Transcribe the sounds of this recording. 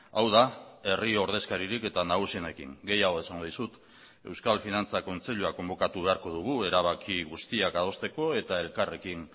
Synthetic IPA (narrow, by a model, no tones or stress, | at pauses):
awðae̞rioɾð̞e̞skaɾiɾike̞t̪anaɣ̞usiene̞kḭŋɡe̞jaɣ̞o̞e̞saŋɡo̞ð̞isut̪ | e̞wskalfinant͡sako̞nt͡se̞ʎuako̞mbo̞kat̪uβe̞aɾko̞ð̞uɣ̞ue̞ɾaβ̞akiɣust̪iakað̞o̞st̪e̞ko̞e̞t̪ae̞lkare̞kiŋ